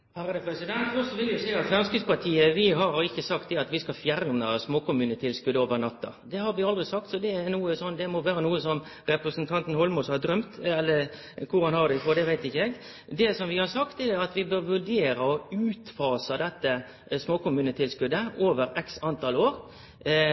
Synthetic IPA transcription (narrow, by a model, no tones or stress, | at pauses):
hæɾəd̪ɛpɾɛsɪd̪ɛnt̪ɔsːɔʋɪlːjʊsæɪɑt̪fɑnskʉspɑt̪ʰiːəʋɪɦɑɾɪçːəsɑkt̪̚d̪ɛɑt̪ʋɪskɑfjæɾnɑsmoːkʊmʉːnət̪ʰɪlskʉd̪əoːʋəɾnɑt̪ːɑ̰d̪ɛhɑɾʋɪɑld̪ʁɪsɑk̚t̪sɔd̪ɛæɾnuːəsɔnːd̪ɛmɔʋæːɾənuːəsɔm | ɾɛpɾəsənt̪ʰɑnt̪n̩hɔlmʊshɑɾd̪ɾœmt̪ɛlːə | kʰʊɾhɑnhɑɾd̪ɛfɔd̪ɛʋæɪt̪ɪçːəɛɡ | d̪ɛsɔmʋɪhɑɾsɑkt̪ɛd̪ɑt̪ʋɪbøɾʋʉɖeːɾəɔʉːt̪fɑːsəd̪ɛt̪ːə | smoːkʊmʉːnət̪ʰɪlskʉd̪ːəoːʋəɾɛksɑnt̪ʰɑloːɾ